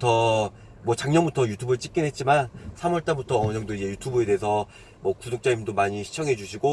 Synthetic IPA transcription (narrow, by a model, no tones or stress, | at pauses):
tʰʌ | mwʌt͡ɕaŋɲʌnbutʰʌjutʰubɯɭt͡ɕ͈ik͈inɦe̞t̚t͡ɕ͈imansʰamʌɭt͈abutʰʌʌɲʌŋdoid͡ʑe̞jutʰubɯe̞deɦesʰʌ | mwʌkudok̚t͡ɕ͈aimdomaɲiɕʰi̥t͡ɕʰʌŋɦe̞d͡ʑuɕʰiɡo